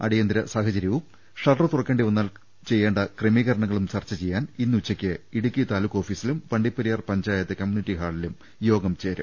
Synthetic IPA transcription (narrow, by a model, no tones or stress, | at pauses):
ɐ̰ɽijɐnd̪iɾɐsaːhɐt͡ɕɐɾjɐʋum | ʂɐlʈɐrt̪urɐkːeɳɖiʋɐnːaːl | t͡ɕe̞jːeːɳɖɐkremiːɣɐɾɐɳɐŋːɐɭumt͡ɕɐrt͡ɕːɐt͡ɕe̞jːaːninːut͡ɕːɐkʲːɨiɽukʲːit̪aːlukːo̞ːfiːsilumʋɐɳɖipːɐɾijɐrpɐɲd͡ʑaːjɐt̪ːekɐmjuːniʈːiɦaːɭilum | jo̞ːɡɐmt͡ɕeːɾṵ